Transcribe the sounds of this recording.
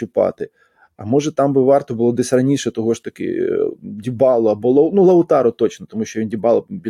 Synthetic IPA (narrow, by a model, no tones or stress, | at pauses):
ʊpɑ̰t̪ɪ | ɐ̰mɔʒɛt̪ɑmbɪʋɑrt̪ɔbʊlˠɔd̪ɪsʲrɐnʲiʃɛt̪ɔɦɔʃt̪ɐkɪ̰dʲibɑlˠɔɐbɔlˠɐʊnulˠɐʊt̪ɑɾɔt̪ɔt͡ʃnɔt̪ɔmuʃʲt͡ʃɔʋʲindʲibɑlˠbʲi